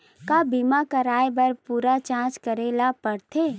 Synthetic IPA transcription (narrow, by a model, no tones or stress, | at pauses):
kabimakɐɾaːjbɐɾpuːɾat͡ʃãːt͡ʃkɐɾeːlapɐɾt̪ʰeː